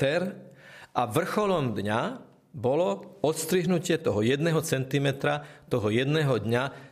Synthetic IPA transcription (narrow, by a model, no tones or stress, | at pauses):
t̪ɛɾʔaʋr̩xɔlɔmd̪ɲa | bɔlɔɔt̪st̪ɾiɦnucɪɛt̪ɔɦɔjɛd̪nɛɦɔt͡sɛnt̪imɛt̪ɾat̪ɔɦɔjɛd̪nɛːɦɔd̪ɲa